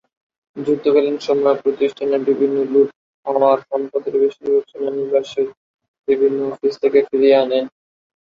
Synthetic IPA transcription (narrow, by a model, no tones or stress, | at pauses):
d͡ʑuk̚t̪obelenʃɔmɔepɾot̪iʃʈʰaneɾbibʱinːoluʈ̚ | ɔnoaɾʃɔmpod̪eɾbeʃiɾbot͡ɕʰonaniɾbaʃeɾ | bibʱinːoɔfist̪ʰekefiɾieanen